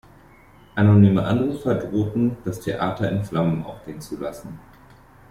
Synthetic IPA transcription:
ʔanonyːməʔa̰ndəʁəfɐdʁoːtn̩d̥astʰeʔaːtɐɪnflamən̩ʔa̰ʊfɡ̥eːənt͡sulasn̩

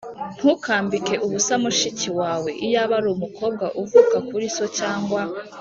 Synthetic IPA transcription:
n̥hukʰaːmbike̞ʔuβusamuʃiciwaːwe̞ʔijaβaɾumukʰo̞ːb̚ɡaʔuvukakuɾisot͡ʃaːŋɡwa

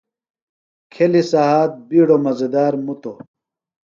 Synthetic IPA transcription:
kʰelisaɦaːt̪̚biːɽomɐzed̪aːɾmut̪o

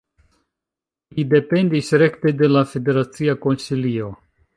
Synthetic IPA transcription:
lide̞pe̞ndisɾe̞kte̞de̞lafe̞de̞ɾat͡siako̞nsilio̞

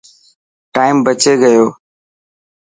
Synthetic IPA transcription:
ʈaːɪmbət͡ʃeːɡəjoː

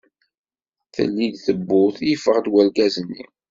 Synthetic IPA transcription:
θə̰lːid̪θəbːʊθifəʁd̪wælɡæzənːḭ

